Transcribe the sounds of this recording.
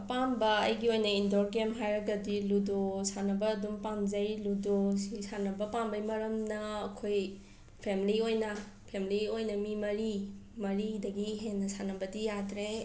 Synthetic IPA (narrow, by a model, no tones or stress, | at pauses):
pambɐɐjɡiojnɐindoɾɡemɦajɾɐɡɐdiludosanɐbɐːdumpamzɐjludosisanɐbɐpambɐjmɐɾɐmnɐːkʰoj | pʰemiliojnɐ | pʰemiliojnɐmimɐɾimɐɾidɐɡiɦenːɐsanɐbɐdijadɾe